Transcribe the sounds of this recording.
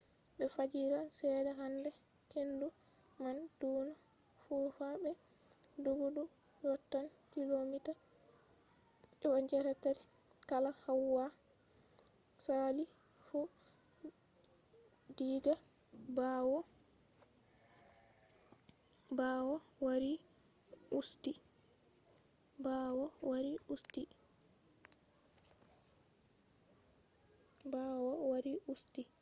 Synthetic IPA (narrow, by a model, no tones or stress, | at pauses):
ɓɛfad͡ʒiɾasɛːdɛɦandɛhendumand̥uːnafuːfabɛduɡudujɔtːankilomita | ɛwaɲd͡ʒɛɾɛtaɾkalahawːa | salifu | diːɡabawɔ | bawɔwaɾi | usti | baːwɔwaɾiusti | bawɔwaɾiusti